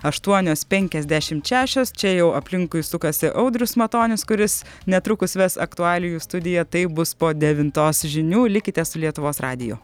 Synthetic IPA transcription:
ɐʃt̪uɔnʲoːspʲɛŋʲkʲɛzʲd̪ʲæːʃʲɪmt̪ʃʲæːʃʲoːst͡ʃʲɛjɛʊʔɐpʲlʲɪŋkʊjsʊkɐsʲɪʔɐʊd̪ʲɾʲʊsmɐt̪oːnʲʊskʊɾʲɪs | nʲɛt̪ɾʊkʊsʋʲɛsɐ̰kt̪ʊɑːlʲɪjuːst̪ʊd̪ʲɪjɛt̪ɐɪbʊspoːd̪ʲɛʋʲɪnt̪oːsʒʲɪnʲuːlʲɪkʲɪt̪ʲɛsʊlʲiɛt̪ʊʋoːsrɑ̰ːd̪ʲɪjo̰

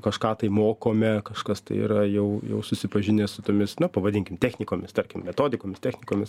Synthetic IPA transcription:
kɐʃkɑːt̪ɐɪmoːkoːmʲɛkɐʃkɐst̪ɐɪḭːɾɐjɛʊjɛ̰ʊsʊsʲɪpɐʒʲɪnʲeːsʊt̪oːmʲɪsnɐpɐʋɐdʲɪŋʲkʲɪmt̪ʲæːxʲnʲɪkoːmʲɪst̪ɐɾʲkʲɪmmʲɛt̪oːd̪ʲɪkoːmʲɪstʲɛxʲnʲɪkoːmʲɪs

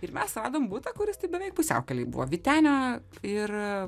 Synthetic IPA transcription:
ɪɾmʲɛsrɑːd̪oːmbuːt̪ɐkʊɾʲɪst̪ɐɪbʲɛʋʲɛɪk̚pʊsʲɛ̰ʊkʲɛlʲɛɪbʊ̰ʋoːʋʲit̪ʲæːnʲoːɪr

